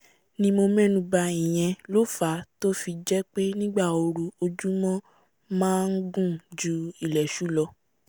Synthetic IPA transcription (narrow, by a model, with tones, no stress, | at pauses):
nĩ˦mo˧mɛ̃˦nũ˧ba˧ĩ˨j̃ɛ̃˧lo˦fa˨˦to˦fi˧d͡ʒɛ˦k͡pe˦nĩ˦ɡ͡ba˦˨o˧ɾu˧o˧d͡ʒu˦mɔ̃˦ | mãː˦n̩˦ɡũ˦˨d͡ʒu˨˦i˨lɛ˨ʃu˨˦lɔ˧